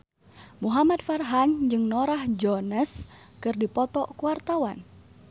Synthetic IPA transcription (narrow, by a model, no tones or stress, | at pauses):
muɦamad̪̚farɦand͡ʒɨŋnɔɾahd͡ʒɔnəs | kɨrdipɔt̪ɔkuwart̪awan